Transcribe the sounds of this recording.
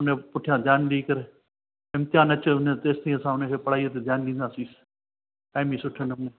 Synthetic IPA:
ʊnẽːpʊʈʰɪjãːd͡ʒ̪aːnliːkəɾe | ɪmt̪ɪjaːnɐt͡ʃeːʊnẽːt̪eːst̪ĩːəsãːʊnẽːkʰeːpəɽ̤aːit̪eːd͡ʒjaːnlĩːnd̪ãːsiːs | ʈaːɪmĩːsʊʈʰenənẽː

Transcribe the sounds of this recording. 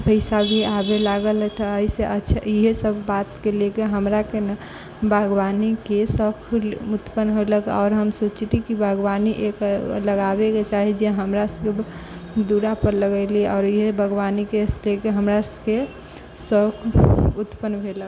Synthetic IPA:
pəɪsabʱiabelaɡəlt̪ɔəiseʔətːʃʰiɦesəbʱːat̪kelekeɦəmɾaken | bəɡwanikesəkʰut̪pənɦoləkɔːɾɦəmsot͡ʃit̪ikibʱəɡwaniʔekləɡabeket͡ʃaɦid͡ʒeɦəmɾasked̪uɾapəɾləɡəlieɔːɾiɦebʱəɡwanikeslekeɦəmɾaske | səkʰut̪pənbʱelək

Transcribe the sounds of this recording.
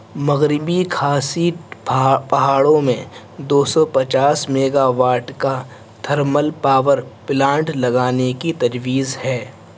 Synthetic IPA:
mɐɣɾɪbikʰaːsi | pɐɦaːɽõmẽ | d̪oːsɔpɐt͡ʃaːsmeːɡaʋaːʈka | t̪ʰɐɾməlpaːʋəɾplãːɳʈlɐɡaːnekit̪ɐd͡ʒʋiːzhɛː

